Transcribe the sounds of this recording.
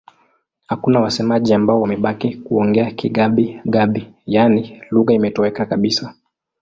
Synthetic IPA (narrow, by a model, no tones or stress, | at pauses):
hakunawasɛmaʄiambaɔwamɛɓakikuɔŋɡɛakiɠaɓiɠaɓijaniluɣaimɛtɔwɛkakaɓisa